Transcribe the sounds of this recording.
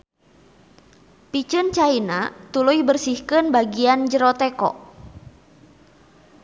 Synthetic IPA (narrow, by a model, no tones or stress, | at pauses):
pit͡ʃənt͡ʃainat̪ulujbərsihkənbaɡiand͡ʒəɾɔt̪ɛkɔ̰ʔ